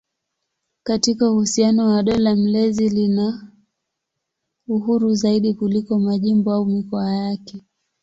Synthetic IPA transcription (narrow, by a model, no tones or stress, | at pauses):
katikauhusianɔwaɗɔlam̩lɛzilina | uɦuɾuzaiɗikulikɔmaʄimbɔaumikɔajakɛ